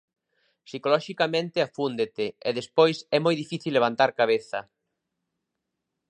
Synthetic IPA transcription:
sikolɔʃikamẽnt̪ɪafund̪et̪eɛðespojsɛmojðifiθilːeβ̞ant̪aɾkaβ̞eθɐ

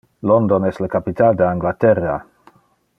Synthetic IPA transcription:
lond̪onɛsləkapit̪ald̪eaŋɡlat̪ɛra

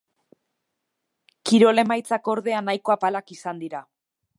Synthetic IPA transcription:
kiɾo̞le̞majt͡sako̞ɾðe̞anajko̞apalakisand̪iɾa

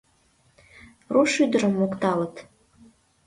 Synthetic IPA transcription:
ruʃyd̪ə̆ɾə̆mːokt̪ɑlə̆t̪

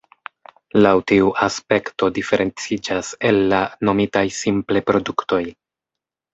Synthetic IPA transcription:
lawtiuʔaspe̞kto̞dife̞ɾʔe̞nt͡sid͡ʒase̞lːano̞mitajsimple̞pɾo̞dukto̞j

